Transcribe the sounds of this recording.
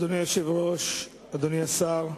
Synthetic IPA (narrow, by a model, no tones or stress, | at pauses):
d̪onijoʃevʁoʃ | ad̪oniasaʁ